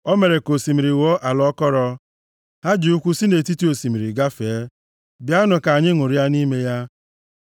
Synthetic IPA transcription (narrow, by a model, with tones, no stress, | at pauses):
ɔ˦me˨ɾe˨ko˨si˨mi˨ɾi˨wo˦ʔa˨lɔ˦kɔ˦ɾɔ˦ | ha˦d͡ʒi˨u˦kʷu˦si˦ne˨ti˦ti˦o˨si˨mi˨ɾi˨ɡa˦feː˨˦ | bja˦nʊ˨ka˨ɲɪ˦ŋʊ˨ɾi˦a˦ni˦me˦ja˦